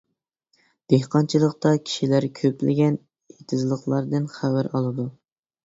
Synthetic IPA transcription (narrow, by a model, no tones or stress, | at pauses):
d̪̥ehqɑnt͡ʃʰilˠəqt̪ɑkʲʰi̥ʃilæɾkʲʰøplɪ̰ɡʲɛn | et̪ʰɪzlˠəχlˠɑɾd̪ɨnχæwæɾɑlˠɨd̪u